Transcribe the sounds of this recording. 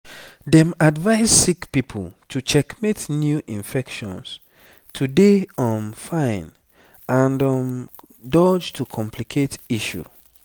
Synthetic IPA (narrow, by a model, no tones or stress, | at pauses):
dɛ̃madvaɪssikpipʰo̰ltʰut͡ʃɛkmetnjuʔĩnfɛkʃɔ̰̃ns | tʰudeɔ̃mfãɪ̃n | ãndɔ̃m | dɔd͡ʒtʰukʰɔ̃mpʰlikʰetiʃṵ